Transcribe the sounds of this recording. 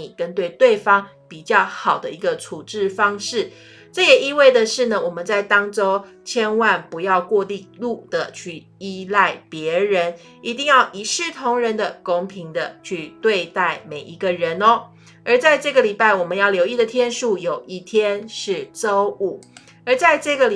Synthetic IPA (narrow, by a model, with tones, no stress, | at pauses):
kə˦nt̪we˥˧ɪt̪we˥˩ɪfɑ˥ŋ | pi˨˩t͡ɕjɑ˥˩ʊxɑ˨˩ʊd̪ə˦i˧˥ɡə˧t͡sʰu˨˩ʈ͡ʂɻ̩˥˩fɑ˥ŋʂɻ̩˥˩ | ʈ͡ʂɤ˥˩jɛ˨˩i˥˧we˥˩ɪd̪ə˨˩ʂɻ̩˥˩nə˩wɔ˨˩mə˨˦nt͡sa˥˩ɪt̪ɑ˥ŋʈ͡ʂo˥ʊt͡ɕʰjɛ˥nwa˥˨npu˨˧˥jɑ˥˧ʊkwɔ˥˧li˥˧lu˥˨d̪̥ə˨t͡ɕʰy˥˩ | i˦˥la˥˩ɪpjɛ˨˧˥ɻə˧˦n | i˧˥t̪i˥˧ŋjɑ˥˩ʊʔi˧˨˩ʂɻ̩˥˩t̪ʰʊ˧˥ŋɻə˧˥nd̪ə˨kʊ˥ŋpʰi˧˥ŋd̪ə˧t͡ɕʰy˥˧t̪we˥˧ɪt̪a˥˩ɪme˨˩ɪʔi˧˥ɡə˧ɻə˧˦nɔ˦ | ə˞˧˥t͡sa˥˧ɪʈ͡ʂɤ˥˩ɡə˨li˨˩pa˥˩ɪwɔ˨˩mə˨˦njɑ˥˩ʊljo˧ʊi˥˩d̪ə˨t̪ʰjɛ˥nʂu˥˩jo˨˩ʊʔi˥˩t̪ʰjɛ˥nʂɻ̩˥˩t͡so˥ʊu˨˥˩ | ə˞˨˧˥t͡sa˥˧ɪʈ͡ʂɤ˥˩ɡə˨l